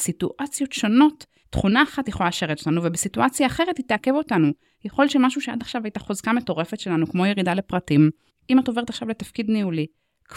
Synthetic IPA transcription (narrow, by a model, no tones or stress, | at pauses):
situʔat͡sjo̞tʃo̞no̞tː | χunaːχatjeχolaaʃe̞ʁet̪ot̪anuvebesituʔat͡sjaːχe̞ʁetit̪eake̞vo̞tanu | jaχo̞lʃemaʃuʃea̰daχʃavajtaχozkame̞to̞ʁe̞fetʃe̞lanukmo̞jeʁidale̞pʁatim | ʔimato̞veetaχʃavle̞tafkidniuli | k